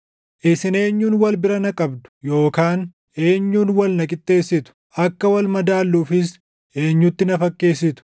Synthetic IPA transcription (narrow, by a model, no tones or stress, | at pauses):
ʔɪsɪne̞ːɲːuːnwɐlbɪɾɐnɐkʼɐbd̪ʊ̥jo̞ːkaːn | e̞ːɲːuːnwɐlnɐkʼɪt̪ʼːe̞ːsːɪt̪ʊ̥ | ɐkːɐwɐlmɐd̪aːlːuːfɪs | ʔe̞ːɲːʊt̪ːɪnɐfɐkʼːe̞ːs̬ːɪt̪ʊ̥